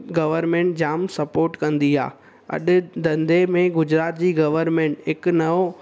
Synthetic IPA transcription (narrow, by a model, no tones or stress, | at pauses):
ɡɐʋəɾmẽːɳʈd͡ʑaːmsɐpoːɾʈkɐ̃nd̪iɦa̰ː | ɐ̰ɗɪ̆d̪ɐ̃nd̪ʱemẽɡʊd͡ʑɾaːt̪̚d͡ʑiːɡɐʋəɾmẽːɳʈɦɪknɐo